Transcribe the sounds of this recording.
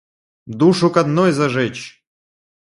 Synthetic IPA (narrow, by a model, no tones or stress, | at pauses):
d̪uʂʊkɐd̪nojzɐʐɛt͡ɕ